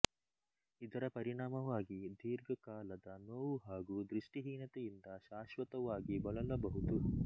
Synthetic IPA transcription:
id̪ɐɾɐpɐɾiɳaːmɐʋaːɡid̪ʱiːɾɡɐkaːlɐd̪ɐnoːʋuɦaːɡuːd̪ɾiʂʈiɦiːnɐt̪ejind̪ɐʃaːʃʋɐt̪ɐʋaːɡibɐɭɐlɐbɐɦud̪u

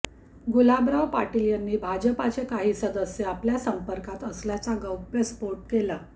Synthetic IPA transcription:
ɡulabɾawpaʈiljanːiːbʱad͡ʑəpat͡sekaɦiːsəd̪əsjeapljasəmpəɾkat̪əsljat͡saɡəwpɾespoɾʈ̚kela

